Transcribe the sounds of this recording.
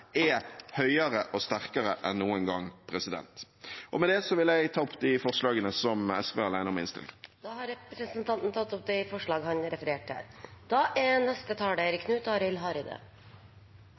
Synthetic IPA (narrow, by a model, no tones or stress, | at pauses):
ɛhœʏəɾəʔɔst̪æʁkəɾəʔɛnːuːənŋɡɑŋːpʰɾɛsɪd̪ɛ̰nt̪ | ʔɔmɛd̪ɛsɔʋɪlæɪɡt̪ʰɑːɔpd̪ɪfɔʁʂɭɑːɡənəsɔmɛ̰skʋɛʁɑlæɪnəɔmɛɪnst̪ɪ̰ld̪̥ɑhɑɾɛpɾəsənt̪ʰɑnt̪n̩t̪ʰɑt̪ːɔp̚d̪ɛfɔʂɭɑːɡhɑnɾɛfəɾeːʈæ̰ːɾd̪̥ɑːʔɛnɛst̪ət̪ʰɑːɖæɾɪkʰnʉːt̪ɔhɑɾɪlɦɑːɾɪd̪ḛ